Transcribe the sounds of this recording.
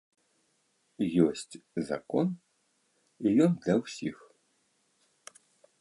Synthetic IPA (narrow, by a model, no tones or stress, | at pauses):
jɔsʲtʲzɐ̰kɔn | ijɔndʲɐwsʲix